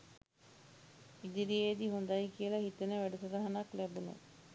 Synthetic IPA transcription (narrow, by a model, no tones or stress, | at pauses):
id̪iɾijed̪iɦund̪ajkijəlahit̪enəʋæɖusəɾaɦanaklæbunə̰